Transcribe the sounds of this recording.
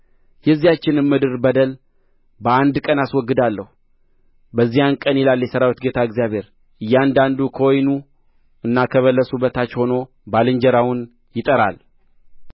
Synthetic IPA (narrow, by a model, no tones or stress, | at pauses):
jɛzːijat͡ʃːɪnɨmmɨd̪ɨɾbəd̪əl | bəand̪kʼənaswɔɡːɨd̪alːəhu | bəzːijankʼənjɛlalːjɛsəɾawit̪ɡet̪ʰaɨɡzijaβhe̞ɾ | ɨjːɛand̪and̪ukʰəwɔjnu | ɨnːakʰəβəlːəsubət̪ʰat͡ʃːho̞no̞ | balɨɲd͡ʒəɾawʊn | jɪt̪ʼəɾa̰l